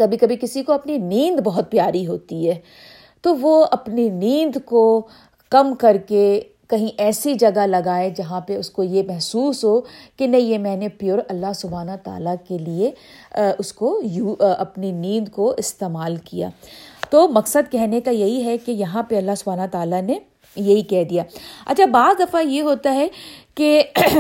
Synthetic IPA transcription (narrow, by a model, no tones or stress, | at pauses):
kɐbʱikɐbʱikɪsikoɐpninĩːnd̪bɐɦʊt̪̚pjaːɾiɦoːt̪iɦɛː | t̪oʋoɐpninĩːnd̪ko | kɐmkɐɾke | kɐɦĩʔɛːsid͡ʒɐɡalɐɡaːed͡ʒɐɦãpeʊskojemɛɦsuːsɦoːkenɐɦĩjemɛ̃ːnepjoːɾɐlːaɦsʊbʱaːnat̪a̰ːlakelieʊskojuːɐpninĩːd̪koɪst̪eːmaːlkija̰ːt̪oːmɐksəd̪kɛɦnekajɐɦiɦɛkejɐɦãpeɐlːaɦsʊbʱaːnat̪aːlane | jɐɦikɛɦd̪ijaːɐ̰tːt͡ʃʰabaːd̪ɐfajeɦoːt̪aɦɛke